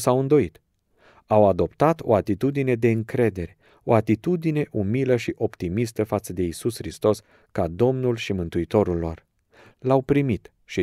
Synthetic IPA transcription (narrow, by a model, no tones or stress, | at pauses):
sawɨnd̪o̞it̪ | awad̪o̞pt̪at̪o̞̰at̪it̪ud̪ine̞d̪e̞ɨŋkɾe̞d̪e̞ɾe | o̞̰at̪it̪ud̪ine̞ʔumiləʃiʔo̞pt̪imist̪əfat̪səd̪e̞isusxɾist̪o̞s | kad̪o̞mnulʃimɨnt̪uit̪o̞ɾulːo̞r | lawpɾimit̪ | ʃi